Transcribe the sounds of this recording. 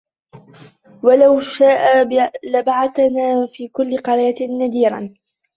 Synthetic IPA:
walawʃaːʔalabaʕaθanaːfiːkʊlːɪqɑɾaːad̪iːɾɑ̰n

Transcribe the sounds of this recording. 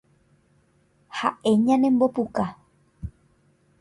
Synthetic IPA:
haʔe̞ɲãnẽmbo̞puka

